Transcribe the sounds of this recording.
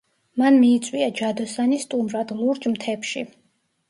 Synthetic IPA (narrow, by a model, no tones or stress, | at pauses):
manmiːt̪sʼwiad͡ʒad̪ɔsanist̪ʼumɾad̪lˠuɾd͡ʒmt̪ʰɛpʃḭ